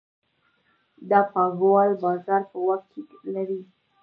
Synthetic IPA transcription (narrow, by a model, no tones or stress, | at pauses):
d̪apaɡwalbazaɾpəwaxke | laɾi